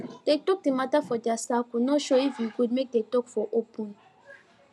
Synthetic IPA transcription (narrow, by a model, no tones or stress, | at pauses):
tek̚tɔk̚dimatafɔdasakunɔʃoifiɡud̚mek̚detɔkfɔʔopũn